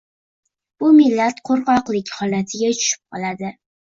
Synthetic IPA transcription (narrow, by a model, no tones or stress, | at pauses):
b̥ʊmɪlːat̪qʰoɾqɒqlɪkʲhɒlat̪ʰɪɡʲat͡ʃʰʊ̥ʃɪ̥p̚qʰɒlˠad̪ɪ